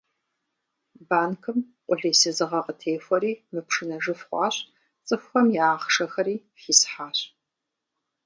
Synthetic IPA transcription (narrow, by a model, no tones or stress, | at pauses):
baːnkʰɨm | qʷʊɮiːsɨzɨʁɐqətʰeːfʷɐɾiːmɨpʂɨnɐʐɨfχʷɑ̰ːɕ | t͡sʼɨfxʷɔmjaːχʂɐxɐɾiː | fiːsħaːɕ